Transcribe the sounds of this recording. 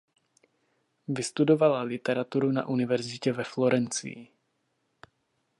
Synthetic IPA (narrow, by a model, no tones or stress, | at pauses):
vɪst̪udovalalɪt̪ɛɾat̪uɾuna̰ʔunɪvɛɾzɪcɛvɛflo̞ɾɛnt͡sɪ̰ji